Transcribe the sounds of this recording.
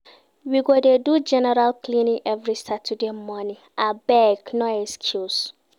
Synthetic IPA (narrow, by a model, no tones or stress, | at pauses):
wiɡodedud͡ʒɛnɛɾalkʰlĩnɪ̃ʔɛvɾisatʰudemɔnɪ̃abɛɡnɔ̃ɛskʰjus